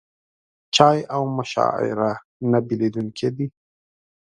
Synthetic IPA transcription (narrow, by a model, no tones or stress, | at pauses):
t͡ʃɑːjawmaʃɑ̰ɪ̰ɾa | nabiled̪unkʰed̪i